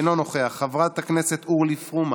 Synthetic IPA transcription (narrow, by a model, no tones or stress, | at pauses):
nonoχeaχːavʁat̪haknese̞t̪uʁlifʁum